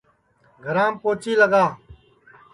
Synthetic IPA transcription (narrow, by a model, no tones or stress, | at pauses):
ɡʱɐɾãːmpoːt͡ʃiːləɡaː